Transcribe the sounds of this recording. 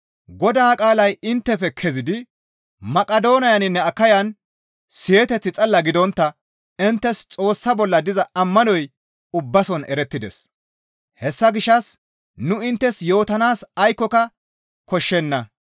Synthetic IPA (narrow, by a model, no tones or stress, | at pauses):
ɡɔd̪aːkʼaːlɐjɪnt̪ːɛfɛkʰɛzɪd̪ɪ | mɐkʼɐd̪o̞ːnɐjɐnɪnːɛɐkːɐjɐn | sɪjɛt̪ɛt͡sːɪt͡sʼɐlːɐɡɪd̪ɔnt̪ːɐ | ɪnt̪ːɛst͡sʼo̞ːsːɐbɔlːɐd̪ɪzɐɐmːɐnɔj | ʊbːɐsɔnʔɛɾɛt̪ːɪd̪ɛs | hɛsːɐɡɪʃːɐs | nʊɪnt̪ːɛsjo̞ːt̪ɐnaːsɐjkːɔkɐ | kɔʃːɛnːɐ